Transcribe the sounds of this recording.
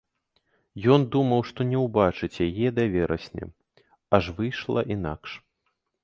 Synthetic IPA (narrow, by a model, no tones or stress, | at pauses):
jɔnd̪umɐwʂt̪ɔnʲɛwbat͡ʂɨt͡sʲjajɛd̪avʲɛɾɐsʲnʲɛ̰ | aʐvɨjʂlˠɐ̰ʔina̰kʂ